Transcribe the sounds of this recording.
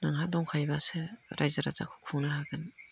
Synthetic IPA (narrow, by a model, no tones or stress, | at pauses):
naŋɦadɔŋkʰajbaseɾajzaɾaza̰kʰu̥kʰuŋnaɦaɡɯn